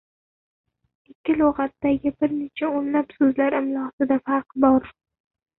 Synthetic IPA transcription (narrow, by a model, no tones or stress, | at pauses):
ɪkʲʰːɪlˠɒʁɑt̪ːaɡʲɪbɪɾne̞t͡ʃʰaonlapsɵzlaɾɪmlˠɒsɪd̪afɑɾqbɒɾ